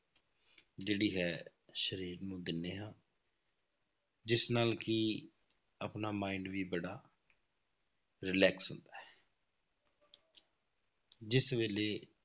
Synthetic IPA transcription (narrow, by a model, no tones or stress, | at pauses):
d͡ʒeːɽiːɦɛː | ʃəɾiːɾnũːd̪ɪnːeːɦãː | d͡ʒɪsnaːlkɪ | aːpnaːmaːɪɳɖʋiːbəɽaː | ɾɪlɛːksɦʊ̰nd̪aːɦɛː | d͡ʒɪsʋeːleː